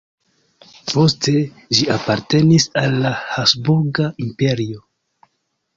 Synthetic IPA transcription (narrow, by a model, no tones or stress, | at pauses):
po̞stʰe̞ | d͡ʒiapaɾte̞nisalːahasbuɾɡaimpe̞ɾio̞